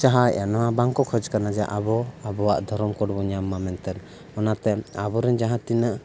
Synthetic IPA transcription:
t͡ʃaɦaanɔabaŋkɔkʰɔd͡ʒkanad͡ʒɛʔabɔabɔwaʔd̪ʱɔɾɔmkɔɽbɔɲamːamɛnt̪ɛɾ | ɔnat̪ɛabɔɾɛnd͡ʒaɦãt̪inəʔ

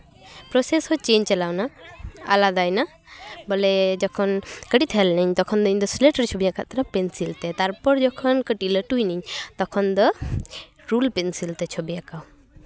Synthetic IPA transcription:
pɾɔseshɔt͡ʃeɲt͡ʃalawnaa̰lad̪ajna | bɔlɛd͡ʒɔkʰɔnkəʈit̪ʰlnɛɲt̪ɔkʰɔnd̪ɔiɲd̪ɔsleʈəɾt͡ʃʰɔbijaka̰ʔt̪aɾapɛnsilt̪ɛt̪aɾpɔɾd͡ʒɔkʰɔnkəʈiləʈujniɲt̪ɔkʰɔnd̪ɔ | ɾulpɛnsilt̪ɛt͡ʃʰɔbijakaw

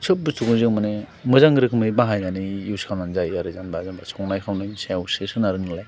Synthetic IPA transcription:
t͡ʃʰɯp̚bɯstʰuɡɯzɯŋmanemɯzaŋɡɾɯkʰɯmɯjbaɦajnanijuwskʰawnanzajaɾɯzanbazanbasʰɔŋnajkʰawnɯjsawsesɯnaɾɯŋɯlaj

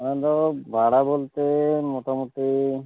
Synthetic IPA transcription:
d̪ɔbʱaɽabolt̪emoʈamoʈ̪i

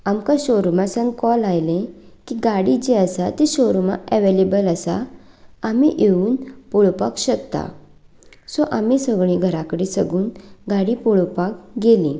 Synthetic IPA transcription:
amkãɕoɾmasə̃nkɔlajlẽkiɡaɽid͡ʑeəsat̪iɕoɾma̰ɛʋelebələsa̰ | amiʔeuːnpoɭpakɕəkt̪a̰ | sɔʔamisəɡɭĩɡʱəɾakəɽesəɡuːnɡaɽipɔɭpakɡelĩ

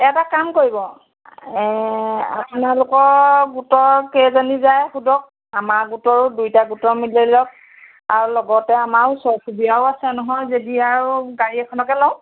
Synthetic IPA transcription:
ɛtakamkoɹibɔ | ɛa̰punalʊkɔɹɡutɔkɛzanizajxudɔk̚ | amaɹɡutɔɹdujtaɡutɔmileɹilɔk̚ | aɹulɔɡɔtɛamaɹʊsɔkʰubijaʊasɛnɔɦɔjzediaɹuɡaɹiɛkʰɔnɔkɛlɔʊ̃

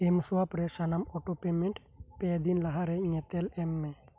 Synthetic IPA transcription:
emsuapɾɛsanamɔʈopemenʈ | ped̪inlaɦaɾɛŋɛt̪ɛlɛmːɛ

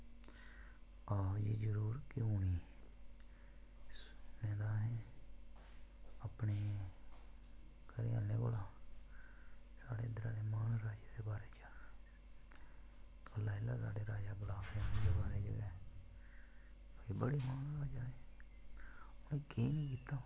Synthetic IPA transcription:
aːd͡ʒiːd͡ʒəɾuːɾkɪuːniː | snẽːd̪aːɦeː | əpneː | kəɾiːa̰ːleːɡolaː | sa̰ːɽeːd̪ɾaːd̪eːmaːnɾaːd͡ʒeːd̪eːbaːɾeːt͡ʃa | əlaːɪlːaːsa̰ːɖeːɾaːd͡ʒaːɡʊlaːbẽːd̪eːbaːɾeːd͡ʒə̰ɡɛː | ibəɽeːmaːnɾaːd͡ʒaːɦeː | ʊneːkeːnĩːk̬iːt̪aː

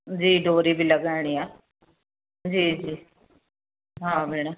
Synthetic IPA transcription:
d͡ʒiːɖoːɾiːbiːləɡaːɽ̃iːaː | d͡ʒiːd͡ʒiː | ɦãːbeːɽ̃aː

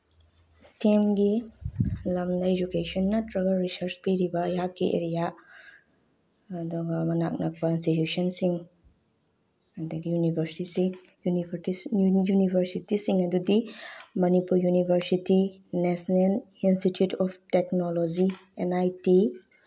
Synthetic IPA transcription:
stemɡi | lɐmdɐed͡ʒukesɔnːɐtɾɐɡɐlɾisɐɾspiɾibɐjakːiʔḛɾija | ɐduɡɐmɐnak̚nɐk̚kainstitjusɐnsiŋ | ɐduɡijunibʱɐɾsisiŋ | junibɾtijunibʱɐɾsitisiŋɐdudimɐnipuɾjunibʱɐɾsitinesnelinstitjutʰɔpʰteknolod͡ʒienajti

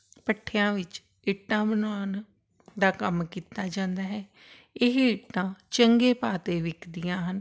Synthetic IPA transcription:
pəʈʰːejãːʋɪt͡ʃ | ɪʈːãːbənʋaːn | d̪aːkəmkiːt̪aːd͡ʒãːnd̪aːɦɛː | ɪɦɪʈːãːt͡ʃəŋɡeːpaːt̪eːʋɪkʰd̪ɪjãːɦən

